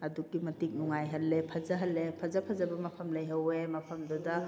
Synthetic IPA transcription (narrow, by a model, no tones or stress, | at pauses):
ɐduɡimɐtik̚nuŋajɦɐlːepʰɐzɐɦɐlːepʰɐzɐpʰɐzɐbɐmɐpʰɐmlɐjɦɐwemɐpʰɐmdudɐ